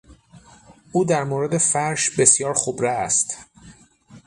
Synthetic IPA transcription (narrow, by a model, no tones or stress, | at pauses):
ʔuːd̪æɾmoːɾe̞d̪e̞fæɾʃbe̞sjɒːɾxobɾeæst̪